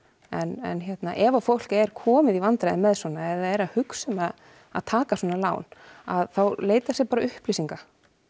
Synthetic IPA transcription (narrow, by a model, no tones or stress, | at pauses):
ɛnɛ̰nçjɛt̪naʔɛvafowl̥kɛɾ̥kʰɔːmɪðivant̪ɾajðɪmɛðswɔːnaɛvðaðɛɾaðhʏksɛmað | a̰ðt̪ʰaːkaswɔːnala̰ːwna̰ðθawleːjt̪ḁsjɛpaːɾaʏhplisiŋka